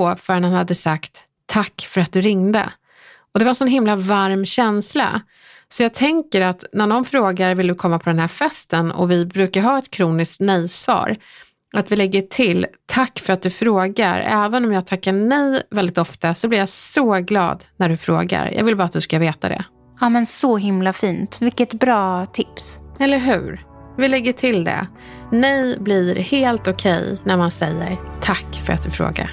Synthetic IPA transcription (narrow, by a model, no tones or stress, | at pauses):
fœɾnhanhad̪ːəsakt̪ʰː | akːfœɾat̪̚d̪ɵɾɪŋd̪ə̰ | ɔd̪ɛvaɾɛnsɔnɦɪmːlavaɾmɕɛnsla̰ | sɔjɑːɡ̚t̪ʰɛŋkəɾat̪næɖɔnfɾoːɡaɾvɪld̪ɵkʰɔmːapʰɔd̪ɛnɦæːɾfɛst̪ənɔ̰vɪbɾʉ̟ːkaɾɦɑːɛt̪kʰɾuːnɪskt̪nɛjsvɑ̰ːɾ | ʔat̪vɪlɛɡːəʈʰɪlt̪ʰakːfœɾat̪̚d̪ɵfɾoːɡaɾɛːvənɔmjɑːɡ̚t̪ʰakːaɳɛjvɛld̪ɪt̪ɔft̪asɔblɪɾjasɔɡlɑ̰ːd̪næɖɵfɾo̰ːɡa̰ɾjʔɑ̰ːɡvɪlbɑːɾat̪̚d̪ɵskaveːt̪a̰d̪ɛ̰ | ɑːmɛnsɔɦɪmlafiːnt̪vɪkːət̪bɾɑːt̪ʰɪpsɛlːəɾɦʉ̟ːɾvɪlɛɡːəʈʰɪld̪ɛ̰ | nɛjblɪɾheːlt̪ɔkʰɛjnæɾmansɛjːə̰ɾt̪ʰakːfœ̰ɾa̰t̪̚d̪ɵfɾo̰ːɡa̰ɾ